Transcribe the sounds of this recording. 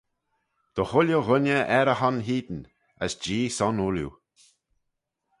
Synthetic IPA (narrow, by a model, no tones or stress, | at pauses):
d̪̥ɔhʊljoɣʊnəʔɛɾəɦanɦiːd̪n̩ | ə̰sd͡ʒiːsɔnuljṵ